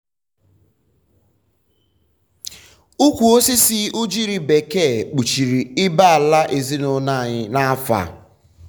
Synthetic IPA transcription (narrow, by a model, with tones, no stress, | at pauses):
u˦kʷu˨o˦si˦si˦u˦d͡ʒi˦ɾi˨be˨ke˦˨k͡pu˨t͡ʃi˨ɾi˨ɪ˦ba˦a˨la˦ʔe˨zi˦no˨na˦˨ɲɪ˦na˦a˦fa̰˨